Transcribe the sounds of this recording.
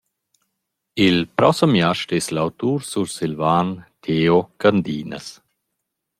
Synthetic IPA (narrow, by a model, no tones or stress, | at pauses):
ilpɾɔsəmjaʃʈɛslawt̪uːɾsuɾsilvaːnt̪ʰeːokand̪iːnə̰s